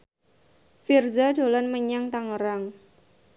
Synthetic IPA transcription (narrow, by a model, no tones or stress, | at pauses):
firzadolanməɲaŋt̪aŋəɾaŋ